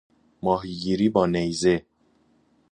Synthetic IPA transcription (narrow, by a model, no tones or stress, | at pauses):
mɒːɦiɡiːɾiːbɒːnejze